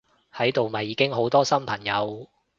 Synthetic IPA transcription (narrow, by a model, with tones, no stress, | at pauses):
hɐ˨˥jt̪o˨wmɐ˨jːiː˨˧kɪ˥ŋɦo˨˥wt̪ɔː˥sɐ˥mpʰɐ˨˩ŋjɐ˨˧w